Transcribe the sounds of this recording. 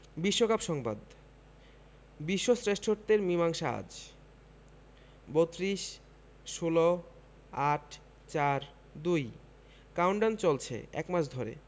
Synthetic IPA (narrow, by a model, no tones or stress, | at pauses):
biʃːokapʃɔŋba̰d̪ | biʃːosɾesʈʰoɾt̪eɾmimaŋʃaa̰d͡ʑ | bot̪ɾiʃ | ʃulo | aʈʰ | t͡ɕaɾ | d̪uj | kawɳɖant͡ɕolt͡ɕʰḛɛ̰kmaʃʰd̪ʱoɾḛ